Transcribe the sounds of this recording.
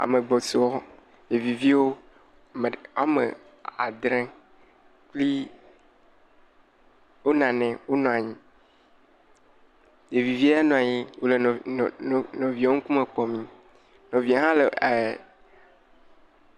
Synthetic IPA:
a̰˨me˨ɡ͡bɔ˨so˨˦wɔ˦ | je˨vi˨vi˦wo˦ | m˨a˨mḛ˨ | a˨d̪ɾɛ̃˦ | k͡pli˦ | wo˦nã˨nɛ̃˨wo˦nɔ̃˨a˨ɲĩ˦ | je˨vi˨vi˦a˦nɔ̃˨a˨ɲi˦wo˦le˨ | nɔ̃˨vi˨˦o˦ŋ̩˦ku˦me˨k͡pɔ˨mĩ˦ | nɔ̃˨vi˨a˨ɦã˦le˨

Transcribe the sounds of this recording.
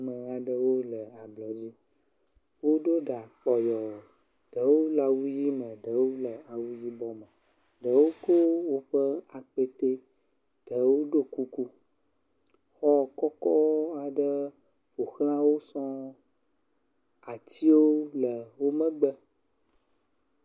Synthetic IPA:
mə̃˨a˨ɖə˦wo˦lə˨a˨blɔ˨d͡ʑi˦ | wo˦ɖo˦ɖa˨k͡pɔ˨jɔ˨ | ɖ̥ə˨˦wo˦la˨wu˦ji˦mə̃˨ɖə˨˦wo˦lə˨a˨wu˦ji˦bɔ˦mə˨ | ɖə˨wo˦ko˦wo˦ɸə˦a˨k͡pe˦t̪e˦ | ɖ̥ə˨˦wo˦ɖo˦ku˦ku˦ | xɔ˦kɔ˦kɔ˦a˨ɖə˦ | ɸo˨xl̃ã˦wo˦sɔ̃˦ | a˨t͡ɕi˦wo˦lə˨wo˦mə̃˦ɡ͡bə˦

